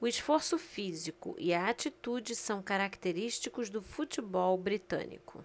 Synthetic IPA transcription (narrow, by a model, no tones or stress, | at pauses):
ʊisfoɾsʊfizikʊ̰ʔɪɐat͡ʃit̪ud͡ʒɪsɐ̃w̃kaɾakt̪eɾiʃt͡ʃikʊzd̪ʊfut͡ʃibɔwbɾit̪ɐ̰̃nḭkʊ̰